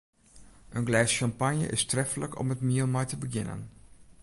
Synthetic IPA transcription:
ʔənɡlɛːsʃɑmpanjə̰ʔɪstrɛfələkɔ̰mətmiəlˠmɛjtəbəɡɪnə̰n

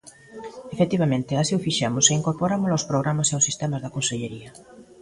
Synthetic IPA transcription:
efet̪iβamẽnt̪easiʊfiʃamʊseiŋkoɾpoɾamʊlawspɾoɣ̞ɾamaseawsːist̪ɛmazðɐkonseʎeɾiɐ

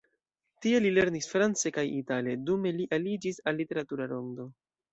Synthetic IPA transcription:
tie̞lile̞ɾnisfɾant͡se̞kajitale̞dume̞liʔalid͡ʒisalːite̞ɾatuɾaɾo̞ndo̞

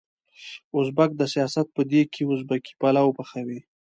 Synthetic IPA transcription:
ʊsbak̚d̪əsijɑsat̪̚pəd̪ekʰeʊzbaki̥palawpaxawi

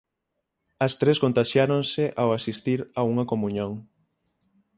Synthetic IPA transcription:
ɐst̪ɾeskont̪aʃjaɾoŋseʔawasist̪iɾauŋɐkomũɲõŋ

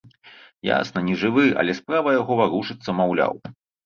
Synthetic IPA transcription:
ja̰snɐnʲɛʐɨvɨʔɐ̰lʲɛspɾavɐjaɣɔvaɾuʂɨt̪sːɐmawlʲa̰w

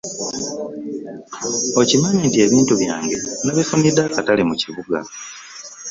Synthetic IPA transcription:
o̞cimaɲiːntie̞βiːntuβja̰ːŋɡe̞naβefunidakatalimuciβuɡa̰

